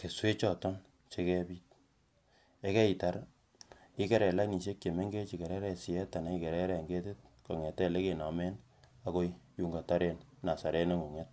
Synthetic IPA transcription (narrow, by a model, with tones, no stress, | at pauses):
ke˨swe˦t͡ʃɔ˦tɔ˦n | t͡ʃe˦kɛ˦biː˦t̚ | e˦kɛ˦i˨ta˨ɾ | ɪ˦ke˦ɾɛ˨la˦ni˨ʃ̬e˦kje˨me˦ŋɡe˦t͡ʃi˨ke˨ɾɛ˦ɾɛ˦si˨ɛ˦ta˨na˦i˦ke˨ɾɛ˦ɾɛ˦˨ŋɡe˦te˦t̚ko˨ŋɛ˨tɛ˦˨le˦ke˨na˨me˦n | a˦ko˦jju˦ŋɡa˨ta˦ɾe˦nna˨sa˨ɾe˦ne˦ŋu˨ŋɛ˦t̚